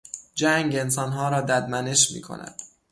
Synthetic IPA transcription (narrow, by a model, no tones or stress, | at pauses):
d͡ʒæŋɡe̞ns̬ɒnɦɒːɾɒːd̪æd̪mæne̞ʃmḭːkʰo̰næ̰d̪̥